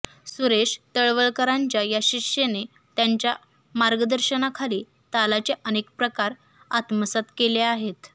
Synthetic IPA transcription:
suɾeɕt̪əɭʋəɭkəɾaɲt͡ɕjajaɕiʂene | t̪jaɲt͡ɕja | maɾɡəd̪əɾɕənakʰaliː | t̪alat͡seʔənekpɾəkaɾ | at̪məsat̪keleaɦet̪

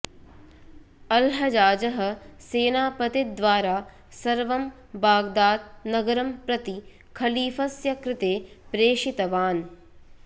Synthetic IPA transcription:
ɐlɦɐd͡ʒaːd͡ʒɐɦɐ̆seːnaːpɐt̪id̪ʋaːɾaː | sɐɾʋɐm | baːɡd̪aːd̪̚nɐɡɐɾɐmpɾɐt̪i | kʰɐliːfɐsjɐkɾɪt̪eːpɾeːʃɪt̪ɐʋaːn

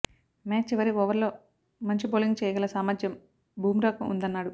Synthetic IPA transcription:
maːt͡ʃːiʋɐɾiɔʋɐɾlo̞ː | mɐɲt͡ʃiboːliŋɡ̚t͡ʃɛːjɐɡɐlɐsaːmaːd͡ʒ̪jɐm | bʱuːmɾɐːkɐṵnd̪ɐnːaːɽu

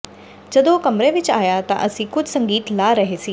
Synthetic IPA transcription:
d͡ʒɐd̪okɐmɾeʋɪt͡ʃaːjat̪ã̰ʔɐsĩkʊd͡ʒʱsɐ̃ŋɡiːt̪laːɾɐɦesiː

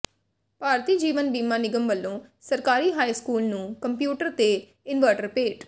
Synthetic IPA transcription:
paːɾt̪iːd͡ʒiːʋənbiːmãːnɪɡəmʋəlːõːsəɾkaːɾiːɦaːiːskuːlnũːkəmpjuːʈəɾt̪eː | ɪnʋəɾʈəɾpeːʈ

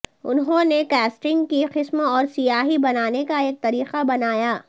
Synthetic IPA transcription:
ʊ̰nɦõnekɛːsʈɪ̃ŋɡkiqɪsmõɔːɾsijaːɦibɐnaːnekaeːk̚t̪ɐɾiːqabɐnaːjaː

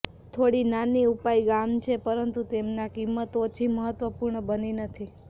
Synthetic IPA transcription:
t̪ʰoɽinaniupaiɡamt͡ʃʰepəɾənt̪ut̪emnakimːət̪ot͡ʃʰiməɦət̪ʋəpuɾɳəbəninət̪ʰi

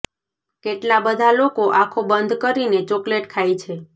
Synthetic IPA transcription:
keʈlabəd̪ʱalokoʔakʰobənd̪ʱkəɾinet͡ʃokleʈkʰajt͡ʃʰe

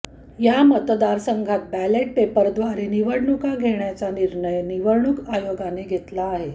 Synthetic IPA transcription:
jamət̪d̪aɾsəŋɡʱat̪̚bæleʈ̚pepəɾd̪ʋaɾeniʋəɽɳukaɡʱeɳjat͡saniɾɳəjniʋəɾɳukajoɡaneɡʱet̪laːɦe

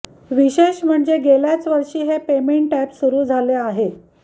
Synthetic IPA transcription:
ʋiɕeɕm̤əɳd͡zeɡeljat͡sʋəɾʂiːɦepemeɳʈæpsuɾuːd͡zʱaleaɦe

